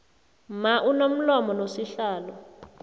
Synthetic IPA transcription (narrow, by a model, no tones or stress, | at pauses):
maʔunom̩lɔmɔnosiɬaːlɔ